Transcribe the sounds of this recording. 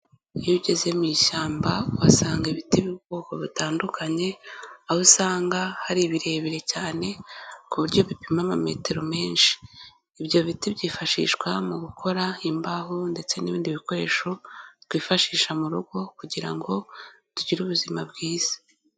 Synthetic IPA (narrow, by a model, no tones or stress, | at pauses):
iβiɟe̞ze̞miːʃaːmbauβasaːŋɡiβitiβibɡoːko̞βitaːndukʰaɲe̞ahusaːŋɡahaɾiβiɾe̞ːβiɾe̞caːne̞kuβuɾɟo̞βipimamame̞̰te̞ɾo̞me̞ːnʃi̥ː | βjo̞βitiβɟiːfaʃḭːʃkwamuɡukʰo̞ɾaimbahonde̞t͡se̞niβiːndiβiko̞ɾe̞ːʃo̞twiːfaʃiːʃamuɾuɡo̞kuɟiɾa̰ŋɡo̞ | tuɟiɾuβuzimabɡiːz̥ḁ